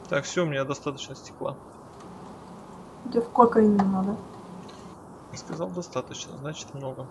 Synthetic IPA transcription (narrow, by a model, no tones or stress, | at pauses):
t̪akfsʲoʊmʲɪnʲad̪ɐst̪at̪ət͡ɕnəsʲtʲɪ̥klˠa̰ | d̪ʲofkokɐnʲɪmnoɡ̪ə | jaskɐzalˠd̪ɐst̪at̪ət͡ɕnə̰znat͡ɕɪ̥t̪mnoɡə